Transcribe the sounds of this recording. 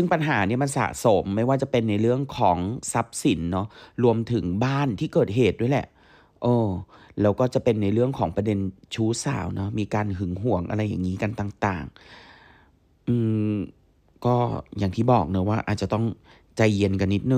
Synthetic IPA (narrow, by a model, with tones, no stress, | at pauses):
sɯ˥˩ŋpa˧nɦaː˩˦ni˥˩ɐma˧nsa̰ː˨˩so˨˩˦mːa˥˩jwaː˥˩t͡ɕa˨˩pe˧nːa˧jɾɯ˥˩əŋkʰɔː˩˦ŋsa˦˥p̚si˩˦nːɔ˦˥ɾu˧əmt̪ʰɯ˨˩˦ŋbaː˥˩nt̪ʰiː˥˩kɤː˨˩t̪̚ɦeː˨˩t̪̚du˥˩jlɛ̰˨˩ʔ | ʔɤː˧lɛː˦˥wkɔː˥˩t͡ɕa˨˩pe˧nːa˧jɾɯ˥˩əŋkʰɔː˩˦ŋpɾa˧de˧nt͡ɕʰuː˦˥sa̰ː˨˩˦wnɔ˦˥miː˧kaː˧nɦɯ˩˦ŋɦu˨˩˦əŋʔa̰˧ɾa˧jːa̰ː˨˩ŋːiː˦˥ka˧nt̪aː˨˩ŋt̪a̰ː˨˩ŋ | ʔɯː˧m | kɔː˥˩jaː˨˩ŋt̪ʰiː˥˩bɔː˨˩k̚nɯ˦˥waː˥˩ʔaː˨˩t̪̚t͡ɕa˨˩t̪ɔ˥˩ŋ | t͡ɕa˧jːi˧nka˧nːi˦˥t̪̚nɯ˨˩